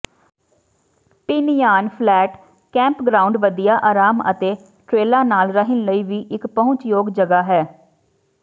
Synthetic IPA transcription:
pɪnjaːnpʰlɛːʈ | kɛ̃ːmpɡɾaːʊɳɖʋəd̪ijaːʔaːɾaːmə̰t̪eː | ʈɾeːlaːnaːlɾəɦɪnləiːʋiːʔɪkpəɦʊ̃ɲt͡ʃjoːɡd͡ʒəɡaːɦɛː

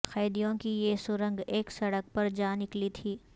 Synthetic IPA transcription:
xɛːd̪ijõkijesʊɾə̃ŋɡeːksɐɽək̚pɐɾd͡ʒaːnɪklit̪ʰiː

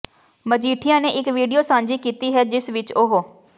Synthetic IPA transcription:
məd͡ʒiːʈʰijãːneːʔɪkʋiːɖijoːsãːnd͡ʒiːkiːt̪iːɦɛːd͡ʒɪsʋɪt͡ʃoɦoː

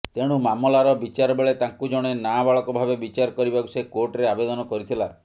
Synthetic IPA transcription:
t̪eɽ̃umamɔlaɾɔbit͡ʃaɾɔbeɭet̪aŋkud͡ʒɔɽ̃enabaɭɔkɔbʱabebit͡ʃaɾɔkɔɾibaku̥sekoɾʈɾeabed̪ɔnɔkɔɾit̪ʰila

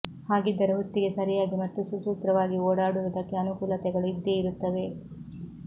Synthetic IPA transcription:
haːɡid̪ːɐɾeɦot̪ːiɡe̞sɐɾijaːɡimɐt̪ːususuːt̪ɾɐʋaːɡioːɽaːɽuʋɐd̪ɐkːeɐnukuːlɐt̪ɛɡɐɭuid̪ːeiɾut̪ːɐʋe̞

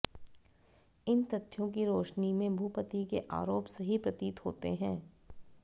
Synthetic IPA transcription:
ɪnt̪ɐt̪ʰːjõkiɾoːʃnimẽbʱupət̪ikeʔa̰ːɾoːpsɐɦipɾɐt̪iːt̪ɦo̰ːt̪eɦɛ̃ː

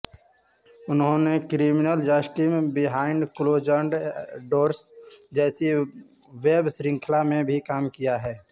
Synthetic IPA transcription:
ʊnɦõnekɾiːmɪnəld͡ʒaːsʈimbɪɦaːɪɳɖkʊloːd͡ʒə̃ɳɖɖoːɾsd͡ʒɛːsi | ʋeːbsɾɪ̃ŋkʰlamẽbʱikaːmkijaɦɛː

